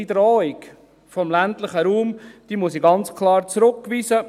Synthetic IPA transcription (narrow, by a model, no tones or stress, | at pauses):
idɾɔːɪk | fɔmlæntlɪχəɾuːmd̥iːmʊs̬iɡɑnt͡skʰlɑːɾt͡sɾʊkːviːsə